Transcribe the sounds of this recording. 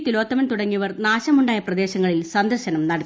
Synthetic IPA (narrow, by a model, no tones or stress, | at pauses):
t̪ːilo̞ːt̪ːɐmɐnt̪uɽɐŋːiʋɐrnaːɕɐmuɳɖaːjɐprɐd̪e̞ːɕɐŋːɐɭilsɐnd̪ɐrɕɐnɐmnɐɽɐ